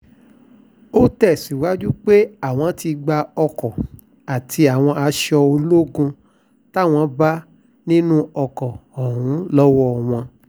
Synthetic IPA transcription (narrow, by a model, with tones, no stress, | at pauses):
o˦tɛ˦˨si˨wa˨˦d͡ʒu˦k͡pe˦a˦˨w̃ɔ̃˧ti˧ɡ͡ba˧ɔ˧kɔ˨ | a˨tʰi˧a˨w̃ɔ̃˧a˧ʃɔ˧o˧lo˦ɡũ˧ | ta˦˨w̃ɔ̃˧ba˦ | nĩ˦nũ˦ɔ˧kɔ˨ɔ˨ɦũ˨˦lɔ˦wɔ˦˨w̃ɔ̃˧